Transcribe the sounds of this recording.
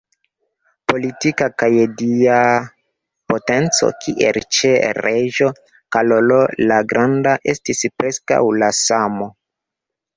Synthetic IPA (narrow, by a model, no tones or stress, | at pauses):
po̞litikakajdia | po̞te̞nt͡so̞̰kiʔḛlt͡ʃeɾeʒo̞ | kalolo̞laɡɾʔandaʔe̞stispɾe̞ska̰wlasamo̞